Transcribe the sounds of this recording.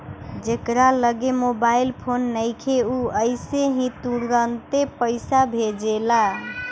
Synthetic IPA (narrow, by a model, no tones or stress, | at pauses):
d͡ʒekɾaləɡemobailpʰonːəjkʰeuəɪseɦĩt̪uɾənt̪epəɪsabʱed͡ʒela